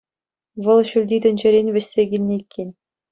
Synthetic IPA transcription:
ʋɤ̆lˠɕylʲd̪ʲid̪ɘ̆nʲd͡ʑĕɾʲenʲʋʲɘ̆ɕʲsʲeɡʲilʲnʲeikʲʰːenʲ

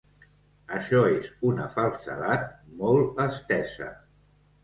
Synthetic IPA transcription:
əʃɔezunə̰falˠsə̰ðat̪̚mɔlˠəst̪ɛsə̰

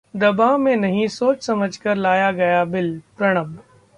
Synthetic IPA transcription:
d̪ɐbamẽnɐɦĩsoːt͡ʃsɐməd͡ʒʱkɐɾlaːjaɡɐjabɪlpɾɐɽ̃əm

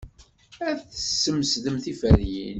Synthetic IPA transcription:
æθəsːəmsðəmθifæɾjḭn

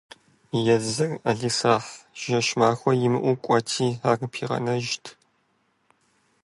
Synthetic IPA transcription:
jɛzɐraɮisaːħʒ̥ɐʃmaːxʷɔjɪmɨʔʷukʷʼɔtʰiːaːrpʰiːʁɐ̰nɐʒtʰ

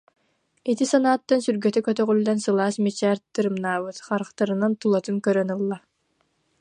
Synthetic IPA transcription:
it̪isanaːt̪ːansyɾɡœt̪ykœt̪œʁylːɛnsɯlˠaːsmit͡ɕæːɾt̪ɯɾɯmnaːβɯt̪χaɾχt̪aɾɯnant̪ulˠɔt̪ɯŋkœɾœnɯlˠːa

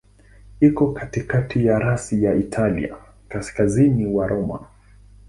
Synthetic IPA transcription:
ikɔkatikatijaɾasijaitʰalḭa̰ | kaskaziniwaɾʔɔma̰

